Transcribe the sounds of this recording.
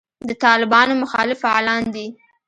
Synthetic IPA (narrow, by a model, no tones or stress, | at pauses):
d̪ət̪ɑlɪbɑnomʊxɑ̰lɪfaɑlɑnd̪i